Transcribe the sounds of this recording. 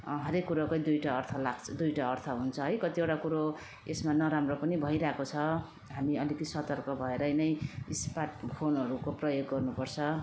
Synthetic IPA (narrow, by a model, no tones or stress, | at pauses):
ɦʌɾekːuɾakojd̪ujʈaːrt̪ʰʌlaɡt͡sʰʌd̪ujʈaːrt̪ʰʌɦunt͡sʰʌɦʌjkʌt̪iewʈakuɾo | esmanʌɾamropʌnibʱʌijɾaekot͡sʰʌ | ɦamiʌlikisʌt̪ʌrkʌbʱʌeɾʌjnʌjispaʈ̚pʰonɦʌɾukoprʌjoɡːʌrnupʌrt͡sʰʌ